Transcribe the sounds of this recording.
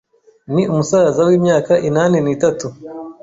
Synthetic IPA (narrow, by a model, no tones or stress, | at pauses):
niʔumusaːzawiːmɲaːkaʔinaːneniːtatu